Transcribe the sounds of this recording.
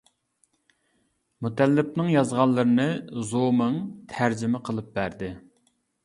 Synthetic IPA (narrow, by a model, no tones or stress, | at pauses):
mut̪ɛlːɪp̚nɨŋjɑzʁɑlˠːəɾɨnɨzomɨŋt̪ʰæɾd͡ʒɪmɪqʰəlˠɨp̚bæɾd̪ɪ